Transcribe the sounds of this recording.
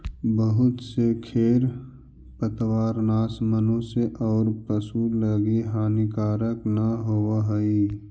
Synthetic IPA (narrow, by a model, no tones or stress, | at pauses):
bəɦʊt̪sekʰeːɾ | pət̪waːɾnaːsmənõseʔɔːɾpəsuləɡiɦaːnikaːɾəknaɦoaɦəi